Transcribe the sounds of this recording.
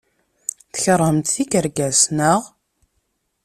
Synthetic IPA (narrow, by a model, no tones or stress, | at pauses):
θə̥çɾˤəmt̪θikəɾɡæsnəʁ